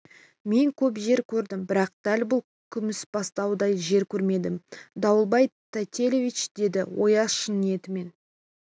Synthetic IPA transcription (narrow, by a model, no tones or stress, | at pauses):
me̞ŋkʲʰɵp̬ʒe̞ɾkʲʰɵɾd̪ɪmbɪɾɑq̚d̪̥ælbʊlˠ | kʲʰʏmɪsb̥ɑst̪ɑwd̪ɑjʒe̞ɾkʲʰɵɾme̞d̪ɪmd̪ɑwəlˠbɑjt̪ʰat̪ʲelʲovʲit͡ʃd̪e̞d̪ɪwo̞jɑʃənje̞t̪ɪme̞n